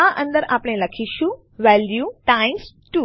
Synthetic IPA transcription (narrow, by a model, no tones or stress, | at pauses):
aʔə̃nd̪əɾapɽ̃eləkʰiʃũ | ʋɛljuʈãĩs | ʈu